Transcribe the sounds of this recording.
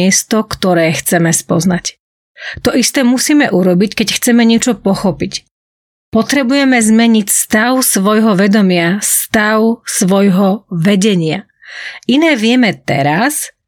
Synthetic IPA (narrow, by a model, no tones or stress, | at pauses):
ɛst̪ɔkt̪ɔɾɛːxt͡sɛmɛspɔ̰znac | t̪ɔʔist̪ɛːmusiːmɛʔuɾɔbickɛcxt͡sɛmɛɲɪɛt͡ʃɔpɔxɔpic | pɔt̪ɾɛbujɛmɛzmɛɲicst̪aʊsʋɔjɦɔʋɛd̪ɔmɪast̪aʊsʋɔjɦɔʋɛɟɛɲɪa | inɛːʋɪɛmɛt̪ɛ̰ɾas